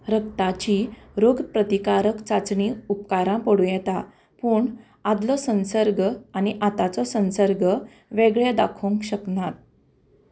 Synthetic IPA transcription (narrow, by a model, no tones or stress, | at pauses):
ɾək̚t̪at͡ɕiːɾoɡpɾət̪ikaɾəkt͡sat͡sɳiupkaɾãpəɽũjɛt̪a | puːɳ | ad̪lɔsə̃nsəɾɡəaniʔat̪at͡sɔsə̃nsəɾɡʱə | ʋeɡɭed̪a̰kʰũŋkɕəknat̪̚